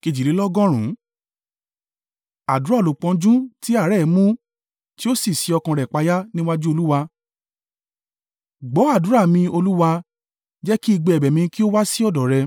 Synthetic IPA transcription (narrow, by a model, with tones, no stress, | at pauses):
ki˨˧d͡ʒi˨ɾi˨˦lɔ˦ɡɔ̃˦ɾ̃ũ˨˦ | a˨du˨˦ɾa˦˨lo˨k͡pɔ̃˧d͡ʒũ˦ti˦a˦˨ɾɛ˦˨˦mũ˦ | ti˦o˦si˦˨si˨˧˦ɔ˧kã˧ɾɛ˨k͡pa˧ja˦nĩ˦wa˦d͡ʒu˦o˧lu˦wa˧ | ɡ͡bɔ˨˦a˦˨du˨˦ɾa˦˨mĩ˧o˧lu˦wa˧ | d͡ʒɛ˦ki˦i˧ɡ͡be˧˨ɛ˨bɛ˨mĩ˧ki˦o˦wa˦si˦ɔ˦˨dɔ˨ɾɛ˧